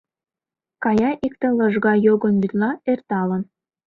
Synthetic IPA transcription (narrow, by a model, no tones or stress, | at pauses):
kɑjɑʔikt̪ĕlɤ̆ʒɣɑjoɡɤ̆nbit̪lɑert̪ɑlɤ̆n